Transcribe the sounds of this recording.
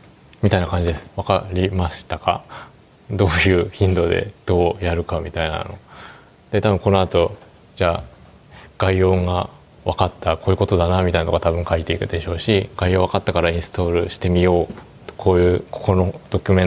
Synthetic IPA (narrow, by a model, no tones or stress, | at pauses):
mʲit̪ainakãɲ̟d͡ʑid̪esɨ̥βakaɾʲimaɕi̥t̪aka̰ | d̪o̞ːjɯ̟ːçĩnd̪o̞d̪e̞̰d̪̥o̞ːjaɾɯ̟kamʲit̪aina̰no̞̰ | d̪̥e̞t̪abɯ̟ŋko̞no̞at̪o̞ | d͡ʑaː | ɡ̥aio̞ːŋɡa | βakat̪ːako̞ːjɯ̟ko̞t̪o̞d̪anamʲit̪ainat̪oɡat̪abɯ̟̃ŋkait̪e̞ikɯ̟d̪e̞ɕo̞ːɕiɡ̥aioːβakat̪ːakaɾaĩɰ̃sɨ̥t̪o̞ːɾɯ̟ɕi̥t̪e̞mʲijo̞̥ː | kʰo̞ːjɯ̟ːkʰo̥ko̞nod̪̥o̞kʲɯ̟mẽ̞